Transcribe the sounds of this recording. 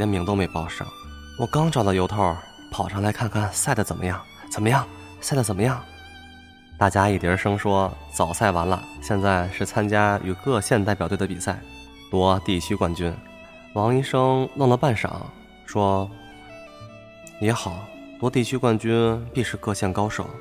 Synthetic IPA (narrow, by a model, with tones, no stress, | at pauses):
ɛ˧˥mi˧˥ŋt̪o˥ʊme˧˥ɪpɑ˥ʊʂɻ̩̰˥˩ | wɔ˨˩kɑ˥ŋʈ͡ʂɑ˨˩ʊlə˩jo˧˥ʊt̪ʰɔ˥˩ | pʰɑ˨˩ʊʈ͡ʂʰɑ˧˥ŋla˧˥ɪkʰa˥˧nkʰa˥˩nsa˥˩ɪd̪ə˩t͡sə˨˩nmə˦jɑ˥˩ŋ | t͡sə˨˩nmə˦jɑ˥˩ŋ | sa˥˩ɪə˩t͡sə˨˩mə˦jɑ˥˩ŋ | t̪a˥˩t͡ɕja˥i˨˩t̪jɛ˧˥ʂɤ˥ŋʂwɔ˥t͡sɑ˨˩ʊsa˥˩ɪwa˧˥nlə̰˧ɕjɛ˥˧nt͡sa˥˩ɪʂɻ̩˥˩t͡sʰa˥nt͡ɕja˥y̰˨˩kɤ˥˧ɕjɛ˥˧nt̪a˥˩ɪpjɑ˨˩t̪w̪ə˧pi˨˩sa˥˩ɪ | t̪wɔ˥t̪i˥˩t͡ɕʰy˥kwa˥˩nt͡ɕy˥n | wɑ˧˥ŋi˥ʂɤ˥ŋlɤ˥˩ŋlə˩pa˥˩nʂɑ̰˨˩˦ŋ | ʂwɔ˥ | jɛ˧˥xɑ˨˩˦ʊ | t̪wɔ˥t̪i˥˩t͡ɕʰy˥kwa˥˩nt͡ɕy˥npi˥˧ʂɻ̩˥˧kɤ˥˧ɕjɛ˥˩nkɑ˥ʊʂo˨˩˦ʊ